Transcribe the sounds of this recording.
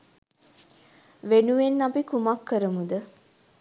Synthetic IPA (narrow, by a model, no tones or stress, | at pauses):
ʋenuʋenːapikumakːəɾəmud̪ə